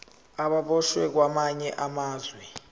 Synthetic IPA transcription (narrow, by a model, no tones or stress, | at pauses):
aɓaɓɔʃwɛk̬wamaɲɛʔamaːzwɛ